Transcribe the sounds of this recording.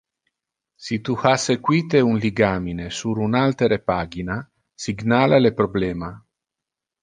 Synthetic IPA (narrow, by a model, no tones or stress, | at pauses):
sit̪uhasekwiːt̪eunliɡaːminesuɾunalt̪eɾepaːɡina | siɡnaːlalepɾoblɛːma